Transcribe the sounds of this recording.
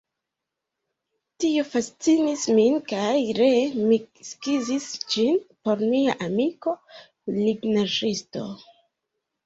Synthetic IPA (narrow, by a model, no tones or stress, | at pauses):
tio̞fast͡sinisminkajɾe̞miskizisd͡ʒinpo̞ɾmiaʔamiko̞ | liɡnaʒisto̞̰